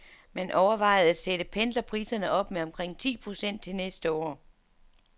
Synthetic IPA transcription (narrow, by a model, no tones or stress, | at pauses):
mænʔɒʊɐʋɑ̈ɪ̰ð̩ˠæ̥seɾ̥əpʰend̥lɐpʰʁiːsɐnəʔɒ̽b̥meɒ̽mkʰʁeŋ̰t͡sʰḭːpʰʁo̝sen̰d̥̚t͡sʰe̝lnesd̥əɒ̰ː